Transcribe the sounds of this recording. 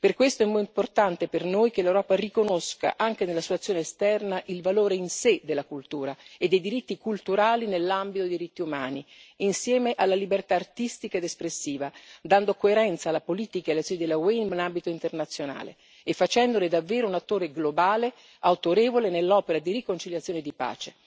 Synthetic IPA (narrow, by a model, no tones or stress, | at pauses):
perkwest̪oɛmːɔimport̪ant̪epernojk̟elewɾɔːparikonoska̰ʔaŋk̟enelːasit̪wat̪sjoːneːst̪ɛrnaʔilvaloːɾeinsed̪elːakult̪uːɾaed̪ːejd̪iɾit̪ːikult̪uɾaːlinelːambit̪od̪ed̪iɾit̪ːiumaːniinsjɛːmeʔalːalibert̪aːrt̪ist̪ikaed̪espɾesːiːvad̪and̪okoeɾɛnt̪salːapoliːt̪ikaelːesonid̪elːawenmenambit̪oint̪ernat̪sːjona̰ːlḛː | fːat͡ʃɛnd̪oled̪avːeːɾounat̪ːoːɾeɡlobaːle | awt̪oɾeːvolenelːɔːpeɾad̪irikont͡ʃiljat̪sjoːned̪ipa̰ːt͡ʃe